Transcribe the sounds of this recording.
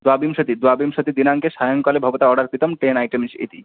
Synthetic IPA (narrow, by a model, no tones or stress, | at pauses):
d̪wabimʃot̪id̪wabimʃot̪id̪inaŋkeʃajoŋkalebʱɔbot̪aɔɖaɾkɾit̪omʈenajʈemiʃḛt̪ḭ